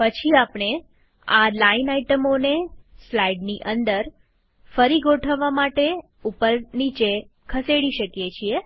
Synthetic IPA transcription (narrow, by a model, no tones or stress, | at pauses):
pət͡ʃʰiapɽ̃e | alainaiʈəmoneslaiɖniʔənd̪əɾ | fəɾiɡoʈʰəʋːamaʈe | upəɾnit͡ʃekʰəseɽiʃəkjet͡ʃʰie